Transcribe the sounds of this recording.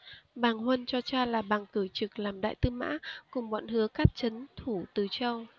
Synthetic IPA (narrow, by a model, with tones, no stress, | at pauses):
ɓaː˨˩ŋhwə˧nt͡ɕɔ˧t͡ɕaː˧laː˨˩ɓaː˨˩ŋkɨ˧˩t͡ɕɨ˨˩k̚laː˨˩mɗa̰ː˧˨jt̪ɨ˧ma̰ː˧˥kʊ˨˩ŋ͡mɓɔ̰˧˨nɦɨ˨˦əkaː˦˥k̚t͡ɕə˨˦nt̪ʰu˧˩t̪ɨ˨˩t͡ɕə˧w